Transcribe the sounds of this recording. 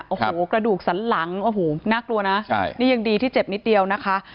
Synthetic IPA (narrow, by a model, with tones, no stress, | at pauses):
ʔo˨˧˩hoː˨˩˦kɾa˧duː˨˩k̚sa˩˦nla˩˦ŋʔo˧˩ɦoː˨˩naː˥˩klu˧ɐna˦˥a̰˥˩jniː˥˩ja˧ŋdiː˧t̪ʰiː˥˩t͡ɕe˨˩p̚ni˦t̪̚di˧əwna˦˥kʰa˦˥ʔ